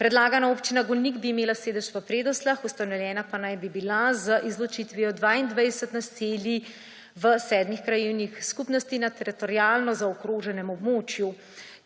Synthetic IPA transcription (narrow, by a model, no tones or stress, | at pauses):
pɾɛd̪laːɡanaoːpt͡ʃinaɡɔlniɡbiːmeːlaseːd̪ɛʃʋəpɾeːd̪ɔslaxust̪anɔwjɛːnapanajbibilazəʔizlɔt͡ʃit̪ʋiɔd̪ʋaːind̪ʋajd̪ɛsɛt̪nasilji | ʋəsɛːd̪mixkɾajiwnixskupnɔst̪inat̪ɛɾit̪ɔɾjaːlnɔzaɔkɾoːʒɛnɛmɔbmoːt͡ʃju